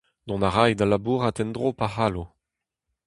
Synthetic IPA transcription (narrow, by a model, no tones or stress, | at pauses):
d̪ɔ̃naʁajd̪alabuːʁat̪ɛnd̪ʁopahaːlo